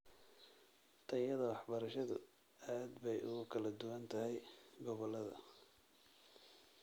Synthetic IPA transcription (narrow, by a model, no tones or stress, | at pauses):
t̪ʰɐjɐðɐwɑħbɐɾɐʃɐðʊ̰ | aːd̪bɛjʊ̰ɣʊkʰɐlɐd̪ʊwɐnt̪ʰɐɦɛjɡɔβɔlːɐðɐ̰